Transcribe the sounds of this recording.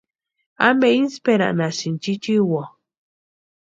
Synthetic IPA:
a̰meinspeɾa̰ʔnasint͡ʃit͡ʃiwa

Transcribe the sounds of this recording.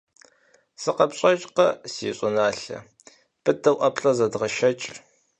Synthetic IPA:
sɨqɐpɕʼɐt͡ʃʼqɐsḭːɕʼʊnaːɬɐ̰ | b̥ɨtːɐwʔɐpɬʼɐzɐdʁɐʃɐt͡ʃʼ

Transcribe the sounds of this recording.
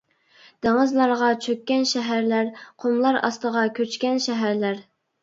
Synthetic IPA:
d̪̥eŋɨzlˠɑɾʁɑt͡ʃʰøkʲːɛnʃɛɦæɾlæɾqʰomlˠɑɾɑ̰st̪əʁɑkʲʰøt͡ʃkʲɛnʃɛɦæɾlæɾ

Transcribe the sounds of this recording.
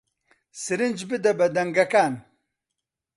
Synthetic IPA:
sɨɾɨnd͡ʒbɨd̪ɛbɛd̪ɛŋɡɐkaːn

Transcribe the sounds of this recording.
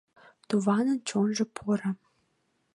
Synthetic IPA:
t̪uvɑnənt͡ɕonʒɤ̆pʰoɾə̆

